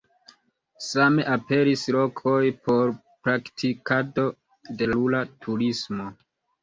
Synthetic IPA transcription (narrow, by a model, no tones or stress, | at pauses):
same̞ʔape̞ɾislo̞kʰo̞jpʰo̞ɾ | pɾaktʰikado̞ | de̞lulatʰuɾismo